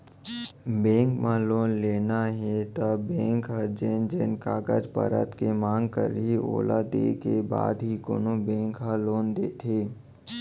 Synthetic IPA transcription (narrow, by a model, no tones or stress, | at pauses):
bẽːŋkmãloːnleːnaɦɛt̪əbẽːŋkɦəd͡ʒeːnd͡ʒeːnkaːɡə̰d͡ʒpə̰ɾə̰t̪kemãːŋɡkə̰ɾɦio̰ːlad̪ḛːkeba̰ːd̪ɦikoːnobɛ̃ːŋkɦaloːnd̪eːt̪ʰeː